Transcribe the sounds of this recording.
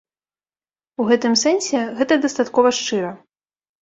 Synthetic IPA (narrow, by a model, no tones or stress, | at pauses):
uɣɛt̪ɨmsɛnsʲɛɣɛt̪ɐd̪ɐst̪at̪kɔvɐʂt͡ʂɨɾɐ